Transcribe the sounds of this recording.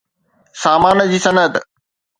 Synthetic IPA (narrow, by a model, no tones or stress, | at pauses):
saːmaːnd͡ʑiːsɐnət̪